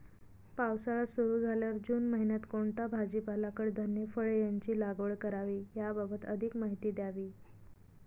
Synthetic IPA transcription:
pawsaɭasuɾuːd͡zʱaljaɾd͡ʑuːnməɦinjat̪koɳt̪abʱad͡ʑipalakəɽd̪ʱənjəfəɭejaɲt͡ɕiːlaɡʋəɭkəɾaʋiːjababət̪ə̰d̪ʱikmaɦit̪iːd̪jaʋiː

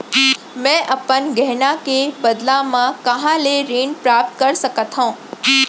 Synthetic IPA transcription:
mɛ̃ːʔɐpənɡɛɦnakebɐd̪lãmãkɐɦãleɾeːnpɾaːp̚t̪kɐɾsɐkət̪ɦõː

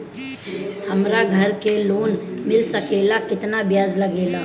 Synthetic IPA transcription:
həmɾaɡʱəɾkeloːnmɪlsəkeːlakɪt̪nabjaːd͡ʒləɡeːla

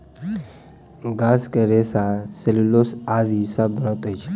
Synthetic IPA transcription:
ɡaskeɾesaselulosazisabɾot̪ət͡ʃʰ

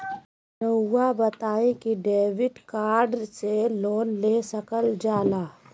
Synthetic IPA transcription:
nəʊːabət̪aːekiɖeːwɪɖkaːɾɖseloːnlesəkəld͡ʒaːlaː

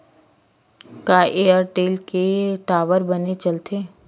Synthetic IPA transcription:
kaːʔeəɾʈeːlkeʈaːʋəɾbənet͡ʃɐlt̪ʰeː

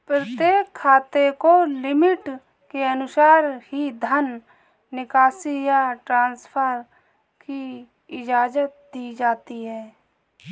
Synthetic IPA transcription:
pɾət̪jeːkʰːaːt̪ekolɪmɪʈ | keənʊsaːɾhid̪ʱənː | ɪkaːsijaʈɾãːnspʰəɾ | ki | ɪd͡ʒaːd͡ʒət̪̚d̪iːd͡ʒaːt̪iɦɛː

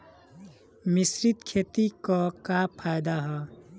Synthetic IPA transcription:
misɾit̪kʰet̪ikɔkapʰːajd̪aɦɔ

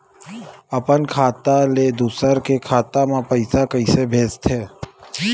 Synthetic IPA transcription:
əpənkʰaːt̪aled̪uːsəɾkekʰaːt̪amãpəɪsakəɪsebʱeːst̪ʰɦeː

